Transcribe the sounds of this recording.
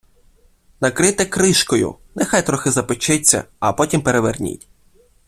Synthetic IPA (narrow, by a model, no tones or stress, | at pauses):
nɐkɾɪt̪ɪkɾɪʃkɔjʊ̰nɛxajt̪ɾɔxɪzɐpɪt͡ʃɪt͡sʲːɐ̰ɐpɔtʲimpeɾeʋernʲḭtʲ